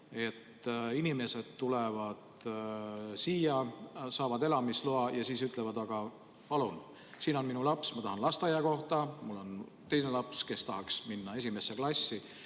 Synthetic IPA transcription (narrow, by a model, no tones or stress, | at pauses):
e̞t̪ːinime̞se̞d̪̥t̪ulevɑd̪̥ | siːjɑsɑːvɑd̪e̞lɑmisloɑjɑsiːsyt̪ˑle̞vɑd̪ɑɡ̥ɑ | pɑlun | siːno̞nminulɑpsmɑt̪ɑɦɑnlɑst̪ɑjɑko̞ht̪ɑmulːo̞n | t̪e̞jne̞lɑpske̞st̪ɑɦɑksminːɑe̞sime̞sːe̞klɑsːi